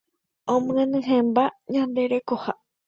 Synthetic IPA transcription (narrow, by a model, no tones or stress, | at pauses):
õmɨ̃ẽnɨ̃ɦẽmbaɲãnd̪e̞ɾe̞koha